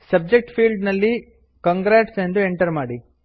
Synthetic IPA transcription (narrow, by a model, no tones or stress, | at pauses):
sɐb̚d͡ʒek̚ʈpʰiːlɖnɐlːi | kɐŋɡɾaːʈsend̪ueɳʈɐɾmaːɽi